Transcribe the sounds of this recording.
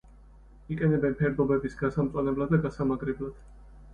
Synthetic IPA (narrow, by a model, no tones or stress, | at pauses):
ikʼɛnɛbɛnpʰɛɾd̪ɔbɛbisɡasamt̪sʼanɛblad̪ːaɡasamaɡɾɛblad̪̥